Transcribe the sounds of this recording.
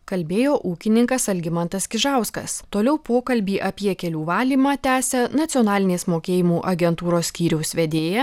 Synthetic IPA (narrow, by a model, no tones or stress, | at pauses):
kɐlʲbʲeːjoːʔuːkʲɪnʲɪŋkɐsɐlʲɡʲɪmɐnt̪ɐskʲɪʒɑˑʊskɐ̰st̪oːlʲɛʊpoːkɐlʲbʲiːʔɐpʲiɛkʲɛlʲuːʋɑːlʲiːmɑːt̪ʲæːsʲɛnɐt̪sʲɪɔːnɑːlʲɪnʲeːsmoːkʲeːjɪmuːʔɐɡʲɛnt̪uːɾoːsʲsʲkʲiːɾʲɛʊsʋʲɛd̪ʲeːjɛ